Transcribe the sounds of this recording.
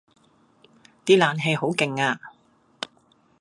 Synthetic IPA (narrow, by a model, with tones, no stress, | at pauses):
t̪iː˥laː˨˧nɦe˨˧jho˨˥wkɪ˨ŋaː˧